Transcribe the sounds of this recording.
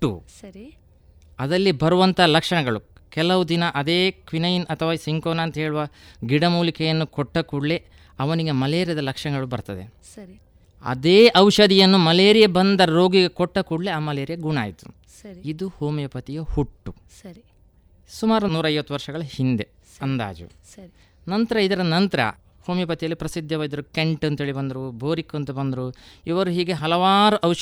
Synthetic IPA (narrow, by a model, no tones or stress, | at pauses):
ʈːṵ | ɐd̪ɐlːibɐɾuʋɐnt̪ɐalɐkʂɐɳɐɡɐɭukɛlɐʋud̪inɐʔɐd̪eːkʋinɐjinʔɐt̪ʰɐʋaːisiŋkoːnaːnt̪ɐɦeːɭuʋɐɡiɽɐmuːlikɛjɐnːukoʈːɐkuɽle | ɐʋɐniɡe̞mɐleːɾijɐd̪ɐlɐkʂɐɳɐɡɐɭubɐɾt̪ɐd̪ḛ | ɐ̰d̪eːʔɐwʃɐd̪ijɐnːumɐleːɾijebɐnd̪ɐɾo̞ːɡiɡe̞kɔʈːɐkuɽleaːmɐleːɾjɐɡuɳa̰ːjit̪u̥̰ | id̪uhoːmjɐpɐt̪ijɐhuʈːu | sumaːɾunuːɾɐjʋɐt̪ːuʋɐɾʂɐɡɐɭɐhind̪e̞ | ɐnd̪a̰ːd͡ʒṵ | nɐnt̪ɐɾɐid̪ɐɾɐnɐnt̪ɐɾɐ̰ | hoːmjɐpɐt̪ijɐlːipɾɐsid̪ʱːɐʋɐːid̪ɐɾukeɳʈɐnt̪ɦeːɭibɐnd̪ɐɾubʱoːɾikːuɐnt̪ubɐnd̪ɐɾuiʋɐɾuɦiːɡe̞ɦɐlɐʋaːɾuʔɐwʃ